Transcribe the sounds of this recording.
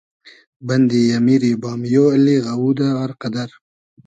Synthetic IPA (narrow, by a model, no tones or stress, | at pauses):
bɐnd̪ijamiɾibɑːmjoːaliɣawuːd̪aaɾqad̪aɾ